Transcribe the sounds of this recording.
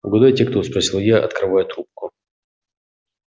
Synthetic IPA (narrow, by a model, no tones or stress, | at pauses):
ɡʊd̪ajtʲekt̪ospɾɐsʲilˠjaʔɐ̰t̪kɾɨvajʊt̪ɾup̚kʊ